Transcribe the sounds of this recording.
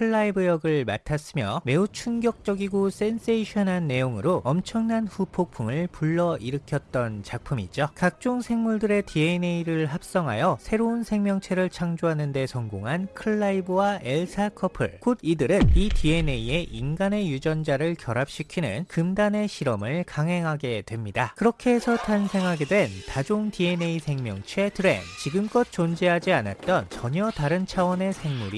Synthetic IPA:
kʰɯɭːaibɯjʌɡɯɭma̰tʰas͈ɯmjʌme̞ut͡ɕʰuŋɡjʌk̚t͡ɕ͈ʌɡiɡos͈e̞ns͈eiɕʰʌnɦanːe̞joŋɯɾoʌmt͡ɕʰʌŋnanɸupʰok̚pʰumɯɭpuɭːʌʔiɾɯkʰjʌt̚t͈ʌnt͡ɕak̚pʰumid͡ʑokak̚t͡ɕ͈oŋsʰe̞ŋmuɭdɯɾe̞tʰieneiɾɯɭɦap̚s͈ʌŋɦa̰jʌsʰe̞ɾounsʰe̞ŋmjʌŋt͡ɕʰe̞ɾɯɭt͡ɕʰaŋd͡ʑoɦanɯnde̞sʰʌŋɡoŋɦankʰɯɭːaibɯwaeɭsʰakʰʌpʰɯ̰ɭkodidɯɾɯnitʰie̞ne̞ie̞ʔinɡane̞jud͡ʑʌnd͡ʑaɾɯɭkjʌɾap̚ɕ͈ikʰinɯ̰nkɯmdane̞ɕʰiɾʌmɯɭkaŋɦe̞ŋɦaɡe̞dwe̞mɲidakɯɾʌkʰe̞ːsʰʌtʰansʰe̞ŋɦaɡe̞dwe̞ntad͡ʑoŋtie̞ne̞isʰe̞ŋmjʌŋt͡ɕʰe̞tʰɯɾe̞̰nnt͡ɕiɡɯmk͈ʌt̚t͡ɕ͈ond͡ʑeɦad͡ʑiana̰t̚t͈ʌnt͡ɕʌɲʌtaɾɯnt͡ɕʰawʌne̞sʰe̞ŋmuɾi

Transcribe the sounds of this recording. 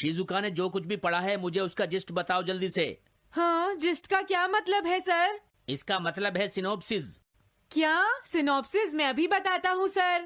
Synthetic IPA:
ʃiːzukaned͡ʒoːkʊt͡ʃʰbʱipɐɽ̤aɦɛmʊd͡ʒʱeʊskad͡ʒɪsʈbɐt̪aːod͡ʒɐld̪iːsḛː | hãːd͡ʒɪsʈkakjaːmɐt̪ləbɦɛsɐɾ | ɪskamɐt̪ləbɦɛsɪnɔːpsɪz | kjaːsɪnɔːpsɪzmɛ̃ɐbʱibɐt̪aːt̪aɦũsɐɾ

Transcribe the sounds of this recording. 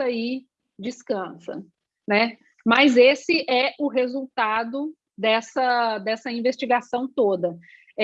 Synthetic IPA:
ɐi | d͡ʒiskɐ̃sɐ̰ | nɛ | mɐzesɪʔɛʔʊɦezuwt̪ad̪ʊ | d̪ɛsɐd̪ɛsɐĩvest͡ʃiɡasɐ̃w̃t̪od̪ɐ

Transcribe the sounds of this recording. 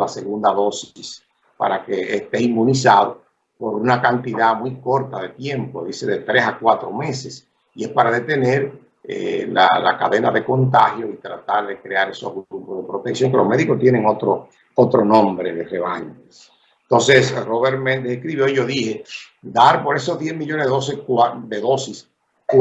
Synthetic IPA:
lase̞ɣund̪aðo̞ss | pa̰ɾakeːst̪e̞imːũnisaðo | po̞ɾunakant̪iðamwujko̞ɾt̪aðe̞t̪je̞mpo̞ðise̞ðe̞t̪ɾesakwat̪ɾo̞me̞se̞s | ie̞spaɾaðe̞t̪e̞ne̞ɾ | ḛla̰la̰ka̰ðe̞naðe̞ko̞nt̪ahjo̞it̪ɾat̪aɾðe̞kɾeaɾe̞so̞ɦɣɾɾupozðepɾo̞t̪eksjoŋkeloɦme̞ðiko̞st̪je̞nẽŋot̪ɾo | ot̪ɾo̞nõ̞mbɾeðere̞βaɲoe | ent̪o̞nsesroβeɾmẽnd̪eehkɾiβjoiʝo̞ðihe̞ | d̪aɾpoɾe̞sozðje̞zmiʎo̞neðeosikad̪eðo̞sis | k

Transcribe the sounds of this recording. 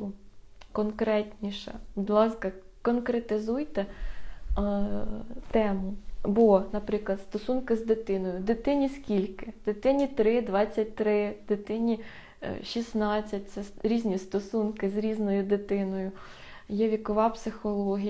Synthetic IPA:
ukɔnkɾɛtʲnʲiʃɐ̰pɔd̪lˠɑskɐ | kɔnkɾet̪ɪzujt̪ɛ | t̪ɛmʊbɔnɐpɾɪklˠɐt̪st̪ɔsunkɪzd̪ɪt̪ɪnɔjʊd̪ɪt̪ɪnʲiskʲilʲkɪd̪̥ɪt̪ɪnʲit̪ɾɪd̪ʋɑt͡sʲːɐt̚ʲt̪ɾɪd̪ɪt̪ɪnʲi | ʃʲisnɑt͡sʲːɐt̚ʲt̪sɛɾʲizʲnʲist̪ɔsunkɪzɾʲiznɔjʊd̪ɪt̪ɪnɔjʊ | jɛʋʲikɔʋɑpsɪxɔlˠɔɦʲij

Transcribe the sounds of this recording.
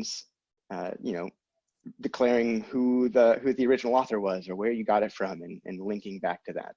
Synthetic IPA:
z̥ | ʌ̰jɨ̰noʊ | dɨkʰl̥ɛɹɪ̃ŋhuðɨhʉðiə˞ɪd͡ʒn̩l̩ˠɔθə˞wʌzə˞wə˞jɨɡɑɾɨtfɹʌ̃mɨ̃nɨ̰̃nlɪ̃ŋkɪ̃ŋbæk̚tʰɨðæ̰t̚

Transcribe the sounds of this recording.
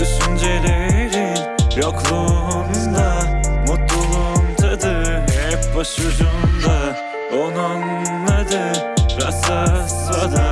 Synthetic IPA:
d̪yʃynd͡ʒelʲɛɾi | joklˠumd̪amut̪lˠuumt̪ʰad̪ɯɦɛpbaʃud͡ʒumd̪a | ononː | ad̪ɯɾasasvad̪a

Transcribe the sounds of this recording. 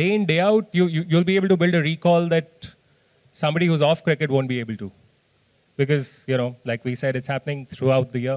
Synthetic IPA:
ɖeːɪ̃nɖeːaʊʈ̚jujujuːlbieːbəl̩ʈubɪlɖəɾiːkɔːld̪æʈ̚ | sʌ̃mbɔɖihuːzɔːfkɾɪkəʈʋõːnʈ̚bieːbəl̩ʈu | bɪkɔzjuñoːlaɪkʋiːsɛɖɪtshæpənɪ̃ŋt̪ʰɾuaʊʈ̚d̪əjə

